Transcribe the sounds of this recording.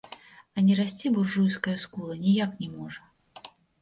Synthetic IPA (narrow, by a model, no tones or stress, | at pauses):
ɐnʲɛɾasʲt͡sʲiburʐujskɐjɐskulˠɐnʲijaknʲɛmɔʐɐ